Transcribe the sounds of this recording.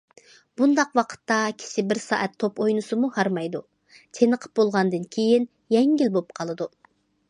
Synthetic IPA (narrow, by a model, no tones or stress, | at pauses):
b̥und̪ɑqwɑqʰə̥t̪ːɑkʲʰɪ̥ʃɪbɪɾsɑ̰ːʔɛt̪ʰːopojnɨsɨmuhɑɾmɑjd̪u | t̪ʰenəqʰə̥p̚bolˠʁɑnd̪ɨnkʲʰejin | jɛŋɡʲɪlbolˠp̚qʰɑlˠɨd̪u